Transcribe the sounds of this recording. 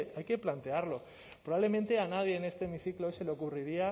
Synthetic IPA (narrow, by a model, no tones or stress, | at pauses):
ajke̞plant̪e̞aɾlo̞ | pɾoaβle̞ment̪e̞anað̞je̞ːne̞st̪eːmiθikloojse̞leo̞kuriɾia